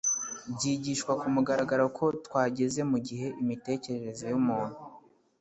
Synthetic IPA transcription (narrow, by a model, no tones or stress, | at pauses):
bɟiːɟiːʃkwakumuɡaɾaɡaɾakʰo̞tkwaːɟe̞ze̞muɟiɦe̞ʔimite̞ːce̞ɾe̞ɾe̞zo̞jumuːn̥hu